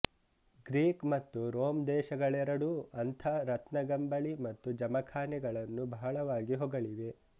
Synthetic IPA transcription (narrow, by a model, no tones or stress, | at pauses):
ɡɾiːkmɐt̪ːuɾoːmd̪ɛːʃɐɡɐɭɛɾɐɽuɐnt̪ʰɐɾɐt̪nɐɡɐmbɐɭimɐt̪ːud͡ʒɐmɐkʰaːnɛɡɐɭɐnːubʱɐɦɐɭɐʋaːɡiɦɔɡɐɭiʋe̞